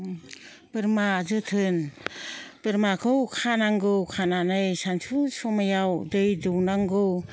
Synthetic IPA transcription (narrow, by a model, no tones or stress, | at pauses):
pɯɾmazɯtʰɯn | pɯɾmakʰɯwkʰanaŋɡɯwkʰananɯjsansʰusɔmajawdɯjdɯwnaŋɡɯw